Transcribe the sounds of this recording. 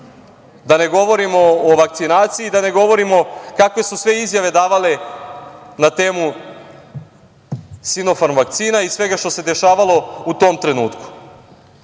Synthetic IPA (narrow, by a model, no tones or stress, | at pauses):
d̪aneɡo̞ʋo̞ɾimo̞ːʋakt̪sinaːt̪siːd̪ane̞ɡo̞ʋo̞ɾimo̞kakʋe̞susʋe̞izjaʋe̞d̪aːʋale̞ | nat̪e̞ːmu | sino̞fanʋakt̪siːnaisʋe̞ɡaʃt̪o̞se̞d̪e̞ʃaːʋalˠo̞ut̪o̞ːmt̪ɾe̞nuːt̪ku̥